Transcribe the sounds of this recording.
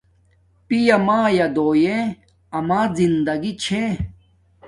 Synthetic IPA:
pijɐmaːjad̪oːje | ɐmaːzind̪ɐɡit͡ɕʰe

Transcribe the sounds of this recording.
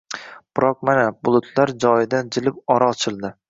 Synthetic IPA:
b̥ɪɾɒq̚manabʊlˠʊt̪ʰlaɾd͡ʒɒjɪd̪and͡ʒɪlɪpɒɾaːt͡ʃʰɪlˠd̪ɪ

